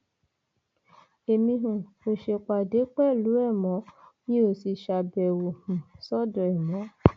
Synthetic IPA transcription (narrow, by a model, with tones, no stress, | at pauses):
e˨mĩ˧ɦũ˨ko˧ʃe˧k͡pa˨de˨˦k͡pɛ˦˨lu˨˦ɛ˦˨mɔ̃˨˦nĩ˦o˧˨si˧ʃa˧bɛ˨wo˨hũ˨sɔ˦dɔ˨ɛ˨mɔ̃˨˦